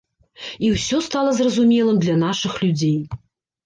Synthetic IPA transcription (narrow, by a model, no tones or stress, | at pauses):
iwsʲɔst̪alˠɐzrɐzumʲɛlˠɨmd̪lʲɐnaʂɨxlʲud͡zʲej